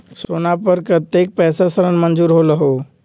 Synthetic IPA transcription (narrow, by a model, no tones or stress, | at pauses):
soːnapəɾkət̪ek̚pɛːsasəɾənmənd͡ʒuːɾɦoləɦoː